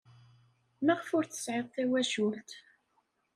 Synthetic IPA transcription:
mæʁəfʊɾθə̥sʕeðˤθæwæʃʊlt̪

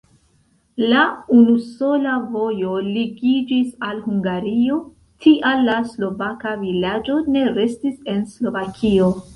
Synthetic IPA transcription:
launuso̞lavo̞jo̞liɡid͡ʒisalhuŋɡaɾio̞ | tʰiʔalːaslo̞vakavilad͡ʒo̞ne̞ɾe̞stise̞nslo̞vakʰio̞

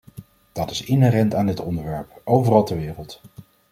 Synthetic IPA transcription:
d̥ɑtɪsɪnɦɛrɛntaːndɪtɔ̰ndəɹʋɛɹpʔowvərɑlˠtəɹʋɪːrəlˠt

